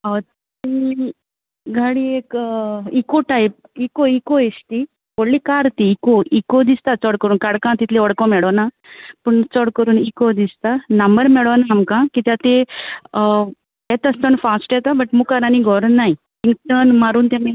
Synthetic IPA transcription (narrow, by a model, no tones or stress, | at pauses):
ət̪i | ɡʱaɽiekikoʈajp̚ikoikoest̪i | poɽlikaɾt̪iːkoʔikod̪ist̪at͡sɔɽkəɾuːnkaɽkãt̪it̪ʰleəɽkɔ̃mɛɭɔna | pəɳt͡sɔɽkəɾuːnikod̪ist̪anəmbəɾmɛɭɔnaːmkãkit̪jat̪e | ɛt̪əst̪ənfasʈjɛt̪abəʈmukaɾaniɡʱɔɾnːaj | t̪ĩŋkt̪ənmaɾuːnt̪ẽmẽ